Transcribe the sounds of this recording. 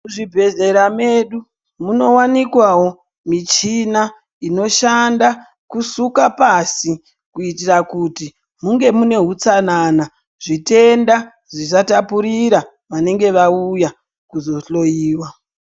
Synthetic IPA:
muʐibʱe̞ze̞ɾame̞ɗu | muno̞wanikwawo̞ | mit͡ʃina | ino̞ʃanda | kusukapasi | kuitirakuti | muŋɡe̞mune̞ɦut͡sanana | ʐite̞nda | ʐisatapuɾiɾa | ʋane̞ŋɡe̞ʋauja | kuzo̞ɬo̞jiːwa

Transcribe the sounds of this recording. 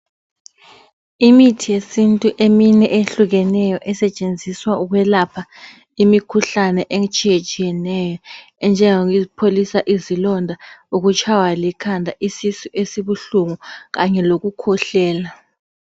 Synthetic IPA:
imitʰijesintʼuʔeminɛʔeɬuɣɛnɛjɔʔɛsɛt͡ʃʼend͡zʱiswauɣwɛlapʰa | imikʰuɬanɛʔeŋt͡ʃʼijet͡ʃʼijɛnɛjɔ | ɛnd͡ʒʱɛŋoɣizipʰolisaʔizilɔndʱauɣut͡ʃʼʰawalikʰandʱaʔisisuʔesiβuɬuŋuɣaɲɛloɣukʰɔɬɛːla

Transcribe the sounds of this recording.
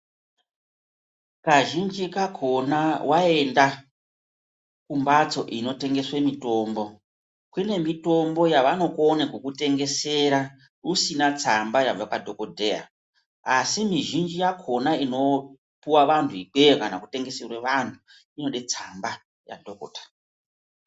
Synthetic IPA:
kaʒind͡ʒikakʰo̞nawae̞nda | kumbat͡so̞ʔino̞te̞ŋɡe̞swemito̞ːmbo̞ | kwune̞mito̞mbo̞jaʋano̞konekukute̞ŋɡe̞se̞ɾa | usinat͡sambajab͡vapadʱo̞kodʱea̰ | asimiʒind͡ʒijakʰo̞naino̞ | puwaʋantʰuik͡pekanakuteŋɡe̞serweʋantʰu | ino̞ɗet͡samba | ja̰dʱoko̰ːtḁ

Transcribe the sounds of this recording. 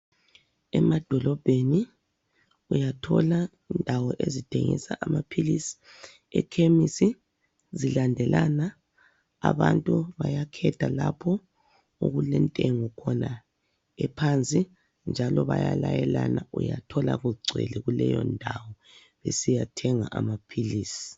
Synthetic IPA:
ɛmad̥ʱɔlɔb̥ʱeni | ujatʰɔla | indʱawɔʔezitʰeŋḭsaʔamapʰilisi̥ | ɛkʰemisi | zilandʱɛlʔanaː | βantʼuβajakʰɛd̥ʰʱalapʰɔ | uɣulɛntʼeŋɔkʰɔna | ɛpʰant͡sʼi | nd͡ʒʱalɔβajalajɛlanaʔujatʰɔlaɣuɡ͡ǀʱwɛ̰lɛɣulɛjɔndʱawɔ | βesijatʰɛŋaʔamapʰiliːsi̥

